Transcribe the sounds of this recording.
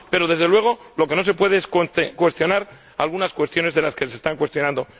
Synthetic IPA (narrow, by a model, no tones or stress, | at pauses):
pe̞ɾo̞ðe̞zðelwe̞ɣ̞o̞lo̞ke̞no̞s̬e̞pwe̞ð̞eesk̪kwe̞st̪jo̞naɾ | alɣunaskwe̞st̪jo̞ne̞zðe̞laskes̬e̞ːst̪aŋkwe̞st̪jo̞nãnd̪o̞